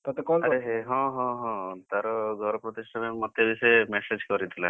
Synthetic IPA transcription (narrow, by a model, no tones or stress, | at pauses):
t̪ɔt̪ekɔlaɾeɦeɦɔ̃ɦɔ̃ɦɔ̃t̪aɾɔɡʱɔɾɔpɾɔt̪iʃʈʰamemɔt̪ːjebisɔemesed͡ʒkɔɾit̪ʰila